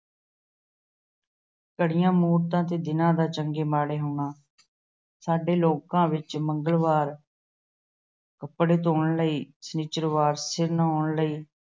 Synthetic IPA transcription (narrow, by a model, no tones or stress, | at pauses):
kəɽɪjãːmuːɾt̪ãːt̪eːd̪ɪnãːd̪aːt͡ʃəŋɡeːmaːɽeːɦoːɳaː | saːɖeːloːkãːʋɪt͡ʃməŋɡəlʋaːɾ | kəpːɽeːt̪oːɳləiːsəniːt͡ʃəɾʋaːɾsɪɾnːoːɳləiː